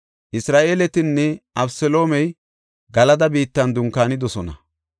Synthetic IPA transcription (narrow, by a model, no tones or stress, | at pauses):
ʔɪsɾaːʔe̞ːlɛt̪ɪnːɛʔɐbsɛlo̞ːmɛj | ɡɐlɐd̪ɐbiːt̪ːɐnd̪ʊŋkaːnɪd̪ɔsɔnɐ